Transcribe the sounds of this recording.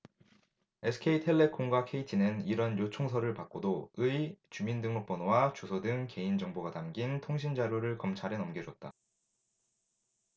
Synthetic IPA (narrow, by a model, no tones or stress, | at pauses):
e̞sʰɯ̥kʰe̞itʰe̞ɭːe̞kʰːoŋɡwakʰe̞itʰinɯniɾʌnjot͡ɕʰoŋs̬ʰʌɾɯɭpak̚k͈odoɯit͡ɕumindɯŋnok̚p͈ʌnwat͡ɕusʰodɯŋke̞ind͡ʑʌŋboɡatamɡintʰoŋɕ̬ʰind͡ʑaɾjoɾɯɭkʌmt͡ɕʰaɾenʌmɡʌd͡ʑʌt̚t͈a